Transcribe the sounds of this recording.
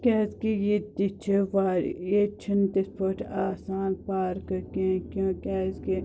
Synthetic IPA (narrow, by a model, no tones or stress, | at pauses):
kʲɛːzkijed̪it͡ʃʰeʋaːɾjet͡ʃʰind̪ɪspəʈʰaːsaːnpaːɾkkẽːkjõːkʲɛːzki